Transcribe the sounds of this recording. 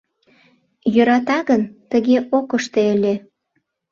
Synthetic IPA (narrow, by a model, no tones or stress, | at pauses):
jøɾɑt̪ɑɣənt̪əɣeʔokəʃt̪eəlʲe